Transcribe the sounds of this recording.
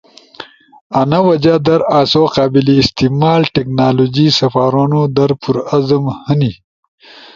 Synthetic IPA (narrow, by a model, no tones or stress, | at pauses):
anawɐd͡ʒad̪ɐɾaːsoqɑːbiliːst̪imɑːlʈeknaːlod͡ʒisɐfaːɾanod̪ɐɾpuɾazəmhəni